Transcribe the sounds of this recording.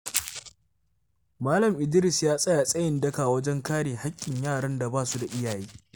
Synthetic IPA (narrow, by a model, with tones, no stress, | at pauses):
maː˦lɐ˨mʔɪ˨dɪ˦ɾɪ˨sjaː˦sʼɐ˦ja˨sʼɐ˦jɪ˨ndɐ˦ka˨wɐ˦d͡ʒɛ˦ŋkaː˦ɽeː˨ha˦kʲʼːɪ˨ɲjaː˦˨ɽɐ˦nda˨baː˦su˦da˨ʔɪ˦jaː˨jiː˦